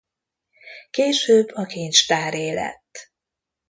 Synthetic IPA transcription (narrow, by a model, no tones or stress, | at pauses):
keːʃøːbːɒkʰeːnt͡ʃt̪aːɾeːlɛ̰t̪ː